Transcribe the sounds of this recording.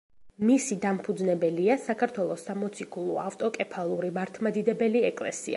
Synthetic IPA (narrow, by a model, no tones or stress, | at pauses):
misid̪ampʰud̪znɛbɛliasakʰaɾt̪ʰwɛlˠɔsːamɔt̪sʰikʰulˠuaft̪ʼɔkʼɛpʰalˠuɾimaɾt̪ʰmad̪id̪ɛbɛliɛkʼlɛ̰sḭa̰